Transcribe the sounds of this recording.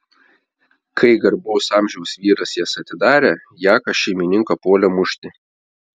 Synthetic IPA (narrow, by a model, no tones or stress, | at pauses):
kʰɐɪɡɐɾboʊsɑːmʲʒʲɛʊsʋʲiːɾɐsjiɛsɐt̪ʲɪd̪ɑːɾʲeː | jæːkɐʃʲɛɪmʲɪnʲɪŋkɐpoːlʲɛmʊʃʲt̪ʲɪ